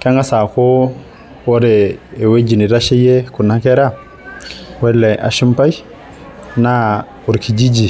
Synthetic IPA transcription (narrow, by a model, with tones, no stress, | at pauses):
ka˦ŋɡa˦sa˨ko˦ | wo˦ɾeː˨we˦d͡ʒi˨ni˨ɾa˦ʃe˦je˦ku˨na˦ke˦ɾa˦ | we˦lːe˨ʔa̰˨ʃi˦mpa˦j | na˦ | u˨ɾkʰi˨d͡ʒi˦d͡ʒi˨